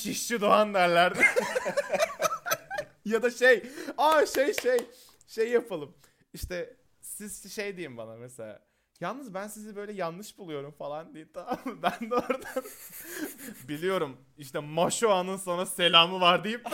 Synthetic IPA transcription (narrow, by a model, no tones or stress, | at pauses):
t͡ʃʰiʃt͡ʃid̪oand̪æɾlʲæɾd̪ɛ | jad̪aʃejaʃejʃej | ʃejːapʰalˠɯm | iʃt̪ʰɛ | sizʃejd̪ejimbanameselʲa̰ː | jalˠnɯzbænsizibø̞jlʲɛjanlˠɯʃbulˠujo̞ɾumfalˠand̪ejimt̪ʰaabænd̪oɾd̪an | bilʲijo̞ɾum | iʃt̪ʰɛmaʃoanɯnso̞nɾase̞lʲaːmɯvaɾd̪ijip